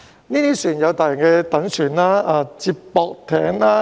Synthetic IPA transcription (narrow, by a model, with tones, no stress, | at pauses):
niː˥t̪iː˥syː˨˩njɐ˨˧wt̪aː˨jɪ˨˩ŋkɛː˧t̪ɐ˨˥ŋsyː˨˩nlaː˥aː˧t͡si˧pːɔː˨˧k̚t̪ʰɛː˨˥ŋlaː˥